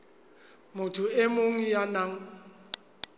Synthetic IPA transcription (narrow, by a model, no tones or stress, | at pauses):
mʊtʰʊɪmʊŋijanaŋ̩